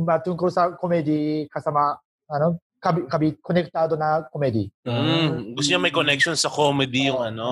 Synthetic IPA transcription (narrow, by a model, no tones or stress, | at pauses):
mat̪uŋkosakomed̪ikasama | ano | kabikabikonekɯ̥t̪aːd̪onakomed̪i | ɡosɲamajkonɛkʃõnsɐkomed̪ijoŋɐno